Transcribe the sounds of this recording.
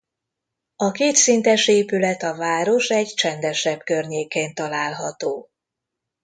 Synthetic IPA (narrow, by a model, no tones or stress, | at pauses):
ɒkeːt̪sint̪ɛʃeːpylɛt̪ɒvaːɾo̞ʃɛɟt͡ʃɛnd̪ɛʃɛbkø̞rɲeːkeːnt̪ɒlaːlɦɒt̪oː